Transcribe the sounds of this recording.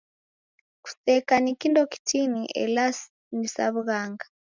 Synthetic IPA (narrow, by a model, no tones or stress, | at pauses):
ku̥sɛkanikindɔki̥tʰiniʔɛ̰las | nisa̰βuɣaŋɡḁ